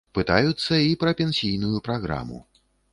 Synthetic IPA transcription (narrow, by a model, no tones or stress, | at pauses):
pɨt̪ajut̪sːɐipɾɐpʲɛnʲsʲijnujupɾaɣɾa̰mṵ